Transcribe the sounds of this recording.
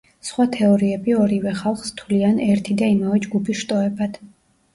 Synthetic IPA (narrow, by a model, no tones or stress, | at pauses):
sχwat̪ʰɛɔɾiɛbiɔɾivɛχalˠχst̪ʰulianɛɾt̪ʰid̪aimavɛd͡ʒɡupʰiʃt̪ʼɔɛbad̪̥